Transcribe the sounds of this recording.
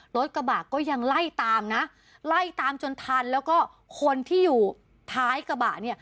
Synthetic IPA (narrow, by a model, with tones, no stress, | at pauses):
lo˦˥t̪̚ka˧baː˨˩kːɔː˥˩ja˧ŋla˥˩jt̪aː˧mna˦˥ʔ | la˥˩jt̪aː˧mt͡ɕo˧nt̪ʰa˧nlɛː˦˥wkɔː˥˩ | kʰo˧nt̪ʰiː˥˩juː˨˩ | t̪ʰaː˦˥jka˧ba̰ː˨˩t̚ni˥˩ɐ